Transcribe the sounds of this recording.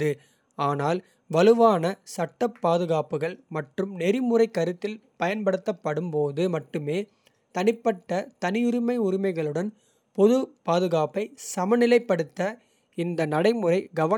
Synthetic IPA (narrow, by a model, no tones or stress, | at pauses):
ɯ | aːnaːl | ʋɐlɯʋaːnɐsɐʈːɐpːaːðɯɣaːpɯɣɐɭmɐʈrɯmnɛɾimɯrɐɪkːɐɾɯt̪ːɪlpɐjɐnpɐɽɯt̪ːɐpːɐɽɯmpoːðɯmɐʈːɯmeː | t̪ɐnɪpːɐʈːɐt̪ɐnɪjʊɾɪmɐɪʊɾɪmɐɪɣɐɭɯɽɐn | pɔðɯpaːðɯɣaːpɐɪsɐmɐnɪlɐɪpːɐɽɯt̪ːɐ | ɪnd̪ɐnɐɽɐɪmɯrɐɪɡɐʋɐ